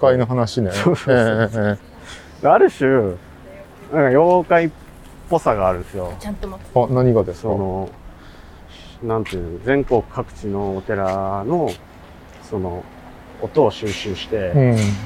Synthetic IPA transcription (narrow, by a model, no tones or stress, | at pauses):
kainoɦanaɕineosoe | daaɾɯ̟ɕɨ | nãŋkajokai | po̞saɡaːɾɯ̟̃nsɨjo̞t͡ɕãnt̪oanaɲ̟iɡad̪essono̞ | nãnt̪ɯ̟̃nd͡zẽ̞ŋko̞kɯ̟̥kʰːakɯ̟̥t͡ɕino̞ːt̪e̞ɾano̞ | so̞no̞ː | t̪o̞ːɕɨːɕɨːɕi̥t̪e̞ɯ̃